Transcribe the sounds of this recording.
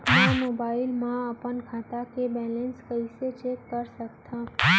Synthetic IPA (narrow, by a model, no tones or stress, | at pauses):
namobailmãəpənkʰat̪akebɛlənskəiset͡ʃʰekːəɾʃəkt̪ʰa